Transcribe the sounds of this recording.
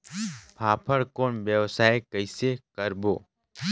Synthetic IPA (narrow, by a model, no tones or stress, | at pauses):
pʰaːpʰəɽkoːnʋjəʋsaːekəɪsekəɾboː